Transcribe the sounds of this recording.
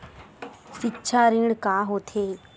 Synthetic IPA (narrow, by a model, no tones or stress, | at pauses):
sitːt͡ʃʰaːɾĩɽkaːɦoːt̪ʰeː